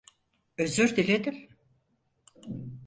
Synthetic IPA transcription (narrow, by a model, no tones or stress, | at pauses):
øzyɾd̪ilʲed̪im